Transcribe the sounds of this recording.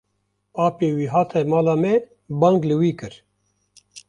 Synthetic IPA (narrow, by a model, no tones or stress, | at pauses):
paːpeːwiːɦaːt̪ʰɛmaːlaːmɛ | baːŋɡlɨwiːkɨɾ